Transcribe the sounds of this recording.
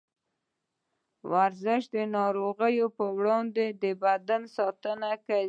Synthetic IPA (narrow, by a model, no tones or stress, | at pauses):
wʔaɾzɪʃd̪ənɑɾoɣəjopəwɽɑnd̪ed̪əbad̪ansɑt̪ənaka